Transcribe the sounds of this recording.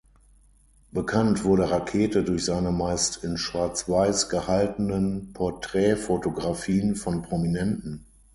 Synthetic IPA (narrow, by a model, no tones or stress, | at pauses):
b̥əkʰantv̥ʊɐɾəʁakʰeːtədʊɐçz̥aɪnəmaɪstʰɪnʃv̥aɐt͡sv̥aɪsɡ̥əhaltənənpʰɔɐtʁ̥ɛːfotoɡʁafiːənfɔnpʁ̥ominɛntn̩